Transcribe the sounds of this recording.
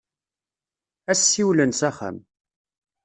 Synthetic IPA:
æsːiwlənsæχæ̰m

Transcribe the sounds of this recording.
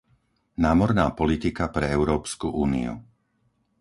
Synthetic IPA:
naːmɔɾnaːpɔlit̪ikapɾɛɛʊɾɔːpskuʔuːnḭṵ

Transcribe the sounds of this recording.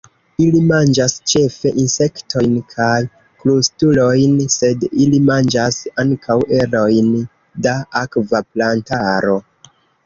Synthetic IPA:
ilimand͡ʒast͡ʃe̞fe̞ʔinse̞ktʰo̞jnkʰaj | klustulo̞jnse̞dilimand͡ʒasaŋkʰawʔe̞ɾo̞jn | daakvaplantaɾo̞

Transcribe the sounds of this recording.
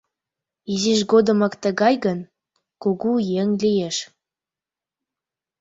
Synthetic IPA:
iziʃɡod̪ə̆mɤkt̪əɣɑjɣən | kuɣujeŋlijeʃ

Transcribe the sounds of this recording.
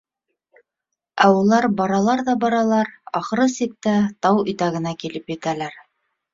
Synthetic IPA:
æulˠɑɾbɑɾɑlˠɑɾðɑbɑɾɑlˠɑɾɑχɤ̆ɾɤsik̚t̪æt̪ɑwɵ̆t̪æɣɘ̆nækilɘpjɘ̆t̪ælæɾ

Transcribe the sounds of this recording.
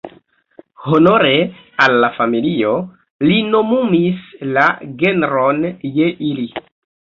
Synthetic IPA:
hono̞ɾe | alːafamilio̞ | lino̞mumislaɡe̞nɾo̞nje̞ʔili

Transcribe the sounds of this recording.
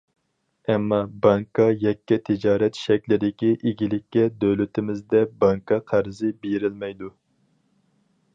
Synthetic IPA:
ɛmːɑbɑŋkʰɑjɛkʲːɛt̪ʰɪd͡ʒɑːɾɛt̪ʃɛkʲlɪd̪ɪkʲiʔeɡʲilɪkʲːɛd̪øwlyt̪ʰɪmɪzd̪ɛbɑŋkʰɑqʰæɾɨzɪbeɾɪlmɛjd̪u

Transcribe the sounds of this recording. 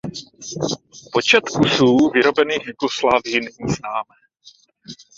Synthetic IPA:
po̞t͡ʃɛt̪kusuːvɪɾo̞bɛniːxjɪkoslaːvjɪnɛɲiːznaːmɛː

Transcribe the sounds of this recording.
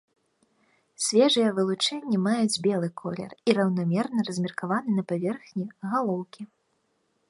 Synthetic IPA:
sʲvʲɛʐɨjɛvɨlˠut͡ʂɛnʲːɛmajud͡zʲbʲɛlˠɨkʰɔlʲɛ̰riɾɐwnamʲɛrnɐɾɐzʲmʲirkavanɨnɐpavʲɛrxnʲiɣalˠɔwkʲi

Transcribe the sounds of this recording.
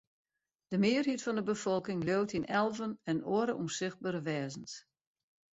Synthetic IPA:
d̥əmɪːərhitfɔndəbəfɔlˠkɪŋlowtinɛlˠvənɛnoəɾəʔumsɪxt̚baɾəʋɛːzəns

